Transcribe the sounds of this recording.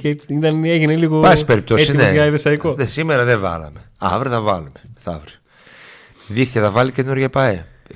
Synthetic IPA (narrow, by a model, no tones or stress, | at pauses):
ceit̪ɐneʝineliɣobɐsspeɾip̚t̪otsiinejɐiðesɐikoesimeɾɐðevɐ̰lɐ̰me̞ | ɐ̰vɾiθɐvɐlumeθɐ̰vɾi | ðixt̪eðɐvɐlicenuɾʝɐpɐe